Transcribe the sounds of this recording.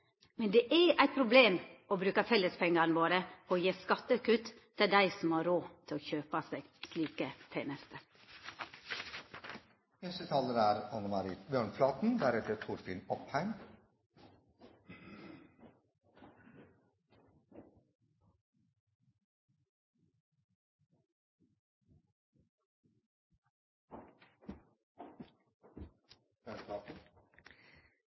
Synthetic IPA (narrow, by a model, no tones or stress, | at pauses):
mɛnd̪eːʔæʔæɪt̪̚pʰɾʊbleːmoːbɾʉːkɑfɛlːəspʰɛŋənʋoːɾəpʰoːoːjeːskɑt̪əkʉt̪ʰː | ɛld̪æɪsɔmhɑːɾoːt̪ʰɪloːçøːpɑseːɡ̥sliːkət̪ʰeːnəst̪əɾ | nɛst̪ət̪ʰɑːləɾæːɾɑnəmɑɾiːt̪bjøːɳflɑːt̪n̩d̪æɾɛt̪əɾt̪ʰʊɾfḭnɔphæɪm | ɳlɑːt̪n̩